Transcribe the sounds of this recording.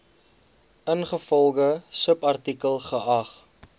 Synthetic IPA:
ənχəfɔlˠɡəsəpɐrtikəlˠχəʔɐχ

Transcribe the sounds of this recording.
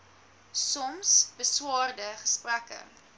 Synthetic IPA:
sɔmsbəswɑːrdəχə̥sprækə̰

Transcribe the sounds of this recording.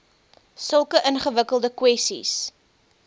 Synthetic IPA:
səlˠkəʔənχəvəkəlˠdəkwɛstḭs

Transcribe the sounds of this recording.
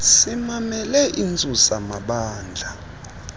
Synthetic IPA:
simamɛlɛʔint͡sʼusamaɓaːnd͡ɮʱa

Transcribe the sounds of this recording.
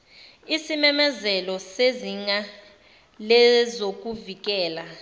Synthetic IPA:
isimɛmɛzɛlɔseziŋa | lɛzok̬ʼuvik̬ɛːla

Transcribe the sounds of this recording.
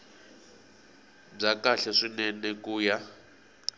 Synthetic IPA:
b͡ʐakaɬaʂinɛnɛkuːja

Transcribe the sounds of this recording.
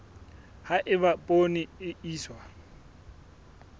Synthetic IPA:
haʔɪβapʼoniɪiːswa

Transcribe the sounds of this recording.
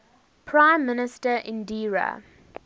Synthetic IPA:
pʰɹãɪ̃mːɪnɪstəʔɪ̃ndiːɹa̰

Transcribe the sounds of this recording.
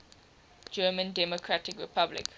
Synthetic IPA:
d͡ʒɜːmə̃ndɛmɔkʰɹatɪkɹɪpʰablɪ̰k

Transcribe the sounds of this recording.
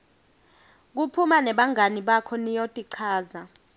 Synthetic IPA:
k̬upʰumanɛɓaŋʱaniɓakʰɔnijotʼiǀʰaːza

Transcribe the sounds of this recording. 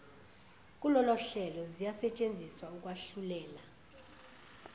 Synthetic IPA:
kʼulɔlɔɬɛlɔzijasɛt͡ʃʼend͡zʱiswauk̬ʼwaɬulɛːla

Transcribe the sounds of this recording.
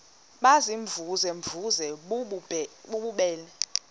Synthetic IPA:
ɓaziɱvuzɛɱvuzɛ | ɓuɓuɓɛːlɛ

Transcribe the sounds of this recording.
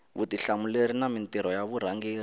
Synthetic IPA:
βṵtiɬamuleɾinamintiɾɔjaβuɾ̤aŋɡiːri

